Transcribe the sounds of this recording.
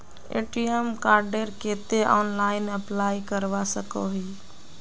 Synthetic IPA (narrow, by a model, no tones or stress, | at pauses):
ḛːʈiɛmkaːɾɖeɾket̪eʔɔːnlaːɪnəplajkəɾʋasəkoɦi